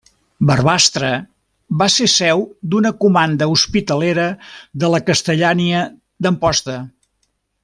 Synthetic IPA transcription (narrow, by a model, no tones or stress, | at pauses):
bərβast̪ɾə | βasesɛwd̪unəkumand̪əuspit̪əleɾəðələkəst̪əʎaniə | d̪əmpɔst̪ə